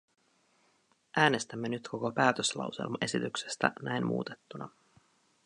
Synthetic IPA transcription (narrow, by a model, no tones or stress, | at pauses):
ʔæːne̞st̪æmːe̞nyt̪kʰo̞kopæːt̪øslɑ̰wsḛlmɑʔe̞sit̪ykse̞̥st̪æ̰næjnmʔṵːt̪e̞̥t̪ːunɑ